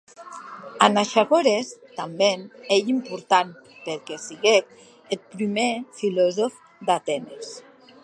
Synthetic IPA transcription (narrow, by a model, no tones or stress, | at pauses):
anaʃaɣoɾest̪ambenejimpuɾt̪anpeɾkesiɣek̪̚ | et̪̚pɾimefilɔzof | d̪at̪ɛnes